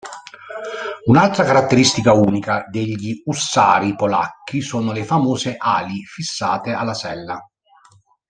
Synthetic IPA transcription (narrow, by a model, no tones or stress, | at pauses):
unalt̪ɾakaɾat̪ːeɾist̪ikauːnikad̪eʎːiusːa̰ːɾipola̰kːisoːnolefamoːzeʔa̰ːlifisːa̰ːt̪ealːasɛ̰lːa